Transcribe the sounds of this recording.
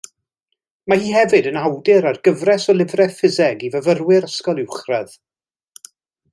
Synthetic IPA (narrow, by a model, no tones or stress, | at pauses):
mahiːɦɛvɨdənawdɨɾarɡəvrɛsɔlˠɪvrɛfɪzɛɡivəvərwɪɾəskɔlˠɪwχrɛð